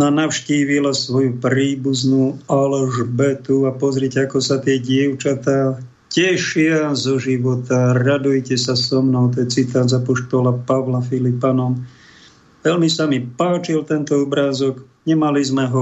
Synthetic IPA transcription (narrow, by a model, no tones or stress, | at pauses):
nanaʊʃciːʋilasʋɔjupɾiːbuznuːalʒbɛt̪uapɔzɾɪɛcɛakɔsat̪ɪɛɟɪɛʊt͡ʃat̪aː | cɛʃɪazɔʒiʋɔt̪aɾad̪ujcɛsasɔmnɔʊt̪ɔjɛt͡sit̪aːzapɔʃt̪ɔlapaʋlafilipanɔm | ʋɛlmisamipaːt͡ʃilt̪ɛnt̪ɔɔbɾaːzɔɡ | ɲɛmalizmɛɦɔ